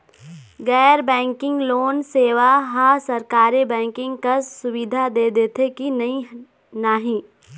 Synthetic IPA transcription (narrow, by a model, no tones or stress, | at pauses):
ɡɛːɾbɛ̃ːŋkɪ̃ŋɡloːnseːʋaɦasɐɾkaːɾebɛ̃ːŋkɪ̃ŋɡkasʊʋɪd̪ʱad̪eːd̪eːt̪ʰekinɐĩ | naːɦĩː